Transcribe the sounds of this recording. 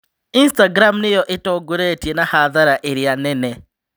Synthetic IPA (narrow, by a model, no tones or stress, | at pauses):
instaɡɾamnijoʔetoɡuɾetjenahaðaɾaʔeɾianene